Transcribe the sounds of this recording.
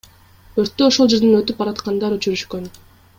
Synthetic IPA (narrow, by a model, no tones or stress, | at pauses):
øɾt̪ːøoʃolˠd͡ʒe̞ɾd̪enøt̪yp̚bɑɾɑt̪qɑnd̪ɑɾyt͡ʃyɾyʃkøn